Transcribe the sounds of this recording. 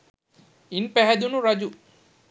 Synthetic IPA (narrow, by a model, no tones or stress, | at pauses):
inpɛɦɛd̪unuɾɐd͡ʒu